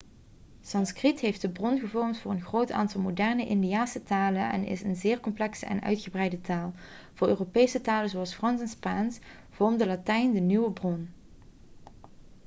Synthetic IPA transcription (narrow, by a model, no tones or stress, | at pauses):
sɑnskritɦejfdəbrɔnɣəvɔɹmtfʊːɹənɣrowta̰ːntɑlˠmodɛrnəʔɪndiaːsətaːlənɛ̰nɪ̰sənzɪːɹkɔmplɛksə̰ɛ̰nœ̰ɥtxəbrɛjdətaːlˠ | v̥ʊːɹøːropejsətaːləzoɑlˠsfrɑnsɛnspaːns | v̥ɔɹmdəlatɛjndənyʋəbrɔn